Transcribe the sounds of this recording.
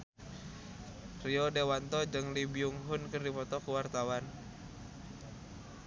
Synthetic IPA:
riɔdewant̪ɔd͡ʒɨŋlibiuŋɦʊnkɨrdipɔt̪ɔkuwart̪awan

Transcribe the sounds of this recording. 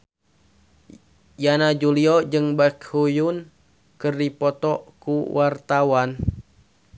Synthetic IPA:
janad͡ʒuliɔd͡ʒɨŋbakhujun | kɨrdipɔt̪ɔkuwart̪awan

